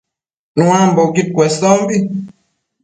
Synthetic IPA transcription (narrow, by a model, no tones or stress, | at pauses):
nũamboɡit̚kwɛsɔmbi